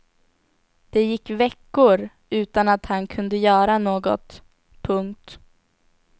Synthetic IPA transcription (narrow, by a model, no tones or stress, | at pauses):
d̪̥ɛjɪkːvɛkːʊɾ | ʉ̟ːt̪anat̪hankʰɵnd̪əjœːɾanoːɡɔ̰t̪ | pʰɵŋkt̪